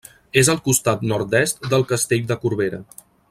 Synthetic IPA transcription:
ezəlˠkust̪at̪nɔɾt̪d̪ɛst̪̚d̪əlˠkəst̪eʎd̪əkuɾβeɾə̰

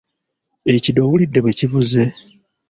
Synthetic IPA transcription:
ecido̞wulidːeβwe̞ciβuze̞

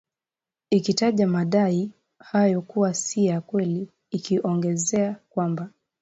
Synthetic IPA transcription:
ikitaʄamaɗai | hajɔkuwasijakwɛliː | kiʔɔŋɡɛzɛakwamba

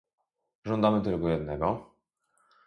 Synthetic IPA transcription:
ʐɔnd̪amɘt̪ɘlkɔjɛd̪nɛɡɔ

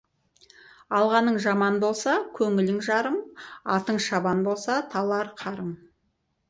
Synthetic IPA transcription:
ɑlˠʁɑnəɴʒɑmɑnbo̞lˠsɑkʲʰɵŋɪlɪŋʒɑɾəmɑt̪əɴʃɑbɑnbo̞lˠsɑt̪ʰɑlˠɑɾqʰɑɾəɴ

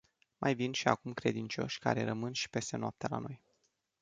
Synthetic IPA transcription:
mʔajvinʃiakumkɾe̞d̪int͡ʃo̞ʃʲka̰ɾe̞̰ɾəmɨnʃi̥pe̞st̪e̞noap̚t̪ela̰no̞j

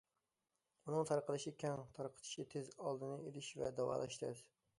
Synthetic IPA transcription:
unɨŋt̪ʰɑɾqəlˠɨʃikʲʰɛŋt̪ʰɑɾqʰə̥t̪ʰɪ̥ʃit̪ʰezɑlˠd̪ɨnɨelɪʃvɛ̰d̪æwɑ̰ːlˠɛ̰ʃt̪ʰɪ̰z

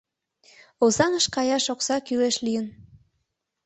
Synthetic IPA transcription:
ozɑnəʃkɑjɑʃoksɑkyleʃlijən

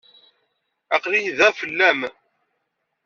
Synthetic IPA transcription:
æqlijðæfəlːæm

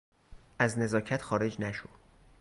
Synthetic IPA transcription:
ʔæzne̞zɒːcʰæt̪xɒːɾe̞d͡ʒnæʃod̪̥

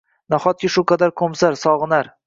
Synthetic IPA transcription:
naχɒt̪̚kʲɪʃʊqʰɑd̪aɾkʰomsaɾsɒʁɨnaɾ

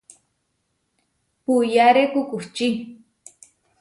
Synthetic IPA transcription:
pujaɾekukuht͡ʃi

